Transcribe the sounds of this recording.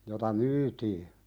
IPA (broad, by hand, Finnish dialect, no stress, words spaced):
jotɑ myːtiː